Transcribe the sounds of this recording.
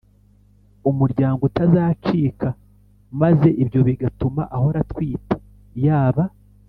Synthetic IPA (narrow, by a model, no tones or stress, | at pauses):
umuɾɟaːŋɡotazaːt͡ʃiːka | maze̞ʔibjo̞βiɡatumaʔaho̞ɾatkwiːte̥ | jaːβa